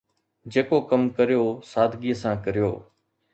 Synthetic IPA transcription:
d͡ʒeːkoːkəmkəɾijoːsaːd̪ʱɡiːəsãːkəɾɪjo̰ː

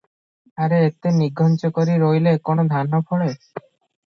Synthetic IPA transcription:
aɾeet̪eniɡʱɔnt͡ʃokoɾiɾojlekonod̪ʱanːopʰoɭe

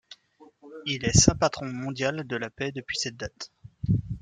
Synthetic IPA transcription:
ilɛsɛ̃pat̪χɔ̃mɔ̃d̪jald̪əlapɛd̪əpɥisɛt̪̚d̪at̪

